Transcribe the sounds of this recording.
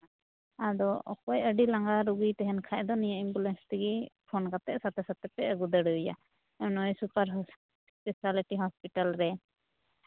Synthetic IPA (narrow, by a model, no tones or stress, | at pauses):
adɔʔɔ̰kɔjəɖilaŋɡaɾuɡijt̪ɛɦɛnkʰaʔd̪ɔnijaʔimbulɛnst̪iɡipʰɔnkat̪ɛʔsat̪ɛsat̪ɛpɛəɡud̪əɽuja̰ | nɔjsupaɾɦ | spɛsaliʈiɦɔspiʈalɾɛ